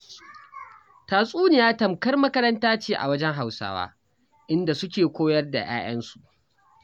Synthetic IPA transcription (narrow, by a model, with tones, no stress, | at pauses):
taː˨sʼuː˦nɪ˨jaː˦tɐ˨mkɐ˦rmɐ˦kɐ˦ɾɐ˦ntaː˦t͡ʃeː˨ʔa̰˨wɐ˦d͡ʒɛ˦ŋɦa˨wsa̰ː˦wa̰ː˦ | ʔɪ˦nda˨sʊ˦kʲeː˨kʷoː˦jɐ˦rda̰˨j̰a̰ː˦jɐ˦nsu̥˨ʔ